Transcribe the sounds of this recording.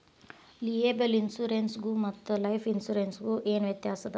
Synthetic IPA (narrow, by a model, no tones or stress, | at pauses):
lieːbelinsuːɾensɡuːmɐt̪ːulɐjpʰinsuːɾeːnsɡuːʔeːnʋjɐt̪jaːsɐd̪ɐ